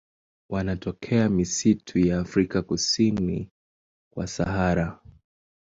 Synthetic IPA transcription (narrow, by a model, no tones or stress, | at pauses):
wanatɔkʰɛamisitʰujaːfɾikakusini | kwa̰sahaɾa